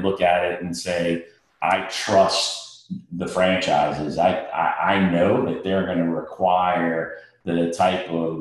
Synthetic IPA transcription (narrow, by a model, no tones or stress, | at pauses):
lʊkɨɾɪɾn̩seɪ | ʔa̰ɪtʰɹ̥ʌst̚ðɨfɹæ̃nt͡ʃaɪzɪzaɪa̰ɪʔa̰ɪnoʊðɨt̪̚ðə˞ɡʌnɨɹɨkʰw̥aɪə˞ | ðɨtʰaɪpʌv